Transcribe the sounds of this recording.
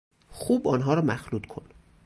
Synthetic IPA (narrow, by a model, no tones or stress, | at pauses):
xuːbɒːnɦɒːɾɒːmæxluːd̪kʰo̞n